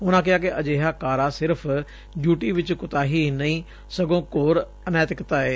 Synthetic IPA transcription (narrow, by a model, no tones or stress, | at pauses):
ʊnãːkɪaːk̬ɪʔɐd͡ʒeːɦakaːɾasɪɾəpʰ | d͡ʒjuːʈiʋɪt͡ʃkʊt̪aːɦinɐĩː | sɐɡõːkoːɾ | ɐnɛːt̪ɪkt̪aːɦeː